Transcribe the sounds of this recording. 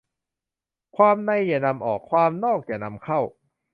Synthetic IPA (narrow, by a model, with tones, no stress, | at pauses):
kʰwaː˧mna˧jːaː˨˩na˧mʔɔː˨˩kʰːwaː˧mnɔː˥˩k̚jaː˨˩na˧mkʰa˥˩w